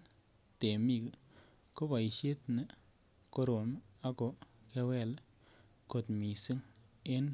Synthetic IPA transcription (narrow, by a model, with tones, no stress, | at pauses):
te˨mi˨k | ko˦ba˨i˨ʃe˦t̪nɨ˦ | ko˧ɾo˨ma˦ko˨kɛ˧wɛ˦˨l | ko˨tmi˨si˦ŋe˦n